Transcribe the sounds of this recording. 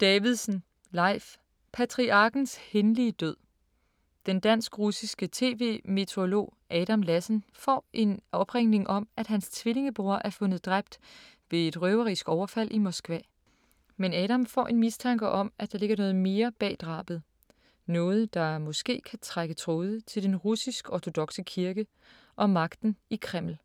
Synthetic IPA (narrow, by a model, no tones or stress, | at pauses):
d̥ɛːʋiðˠsn̩ | lɑ̈ɪf | pʰæt͡sʰʁiʔɑ̈ɡ̥n̩shenliəd̥øð̰ˠ | d̥end̥æn̰sɡ̥ʁusisɡ̥ət͡sʰe̝̰ːʋe̝̰ːme̝t͡sʰeo̝lo̝̰ː | ʔɛːɾ̥æmlæsnfɒ̰ːʔe̝nʔɒ̽b̥ʁeŋ̰ne̝ŋʔɒ̽mæd̥ɦænst͡sʰʋile̝ŋəb̥ʁuɐʔæɐfɔ̽nəð̞̩ˠd̥ʁab̥̚d̥ | ʋe̝e̝d̥ʁœʊɐʁisɡ̥ɒʊɐfæl̰ʔimɒ̽sɡ̥ʋɛ̰ː | menɛːɾɑmfɒ̰ːʔe̝nmist͡sʰɑ̈ŋɡ̥ɐʔɒ̽mæd̥ɑ̈le̝ɡ̥ɐnɔ̽ːð̩ˠme̝ːɐb̥ɛ̰ːd̥ʁɑ̰̈ːb̥ð̩ˠ | nɔ̽ːð̞̩ˠəd̥ɑ̈ɐmɔ̽sɡ̥e̝̰ːkʰæt͡sʰʁaɡ̥ət͡sʰʁoːð̞ˠət͡sʰe̝ld̥enʁusisɡ̥ɒt͡sʰo̝d̥ɒ̽ɡ̥səkʰiɐɡ̥ə | ʔɒ̽mɑ̈ɡ̥d̥n̩ikʰʁem̰l̩